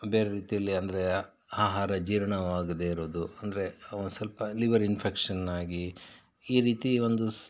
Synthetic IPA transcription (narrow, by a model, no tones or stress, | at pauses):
be̞ːɾe̞ɾiːt̪ijɐlːiɐnd̪ɐɾe̞ | aːɦaːɾɐd͡ʒiːɾɐɳɐʋaːɡɐd̪eiɾoːd̪uɐnd̪ɐɾe̞ɐʋɐnusɐlpɐliʋɐɾinpʰekʂɐnːaːɡi | iːɾiːt̪io̞nd̪u